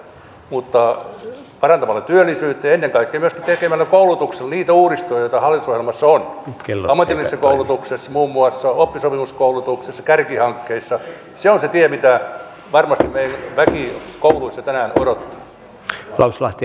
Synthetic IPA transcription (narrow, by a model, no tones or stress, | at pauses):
mut̪ːɑ | pɑrɑnt̪ɑmɑlːet̪yølːˑisyːt̪ːeenːeŋkɑikːeːmyøskætt̪ekemælːækoulut̪ukselniːt̪æuːɾist̪ojjoit̪ɑhɑlːit̪usohjelmɑsːonklːɑmːɑt̪ilːisɑkoulut̪uksesːɑmuːmːuɑsːɑopːisopimuskoulut̪uksesːɑkærkihɑŋkːeisːɑ | seonset̪iɛmit̪æ | ʋɑrmɑst̪immeiænʋækikouluisːɑt̪ænæːno̰ɾot̪ːɑ̥ | lɑuslɑht̪i